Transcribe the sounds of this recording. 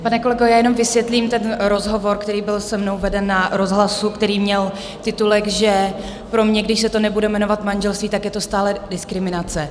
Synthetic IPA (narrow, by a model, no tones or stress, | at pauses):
panɛko̞lɛɡojaːjɛno̞mvɪsvjɛt̪liːmt̪ɛnɾo̞zɦo̞vo̞ɾkt̪ɛɾiːbɪlsɛmno̞wvɛdɛnːaɾo̞zɦlasukt̪ɛɾiːmɲɛl | t̪ɪt̪ulɛɡʒɛ | pɾo̞mɲɛɡdɪʃsɛt̪o̞nɛbudɛmɛno̞vat̪manʒɛlst̪viːt̪akjɛt̪o̞st̪aːlɛdɪskɾɪmɪnat͡sɛ